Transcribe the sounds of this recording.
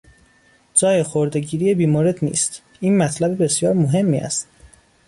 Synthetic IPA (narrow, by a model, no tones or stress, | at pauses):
d͡ʒɒːjexoɾd̪e̞ɟiːɾijebiːmoɾed̪nḭːst̪ | iːnmæt̪ʰlæbibe̞sjɒːɾmoɦe̞mːḭːæ̰st̪